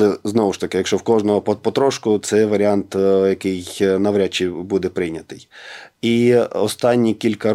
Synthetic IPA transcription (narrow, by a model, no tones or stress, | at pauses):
ɛznɔʋʊʃt̪ɐkɪjɐkʃt͡ʃɔwkɔʒnɔɦɔpɔpɔt̪ɾɔʃkʊt̪sɛʋɐɾʲɪɑnt̪jɐkɪjnɐʋɾʲat͡ʃːibud̪ɛpɾɪjnʲɐt̪ɪjiɔst̪ɑnʲːikʲilʲkɐ